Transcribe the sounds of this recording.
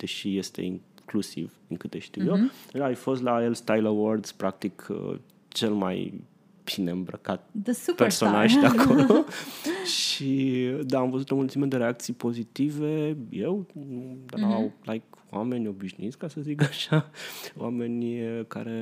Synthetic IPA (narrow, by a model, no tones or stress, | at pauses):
d̪̥e̞ʃije̞st̪e̞̰iŋklusḭv̥ | ɨŋkɨt̪eʃt̪iwjeːjfo̞st̪laelst̪ajləword̪z̥pɾak̚t̪ikʰə̰ | t͡ʃe̞lma̰j | b̥ine̞ɨmbɾə̰kat̪̚d̪esperso̞naʒd̪eadkʰolooʃid̪aːmvəzut̪onmult̪simed̪eɾeak̚t̪sijpo̞zit̪ive̞je̞wd̪aawlajkwame̞nʲo̞biʃnuit̪skasəzikaʃaoame̞nʲəka̰ɾe̞